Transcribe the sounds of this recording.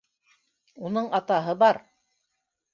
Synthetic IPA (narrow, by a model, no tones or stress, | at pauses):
unɤɴɑt̪ɑɦɤbɑɾ